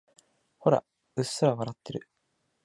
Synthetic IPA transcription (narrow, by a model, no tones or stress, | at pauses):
ho̞ɾa̰ | ɯssaɾaβaɾat̪ːe̞ɾɯ̟̰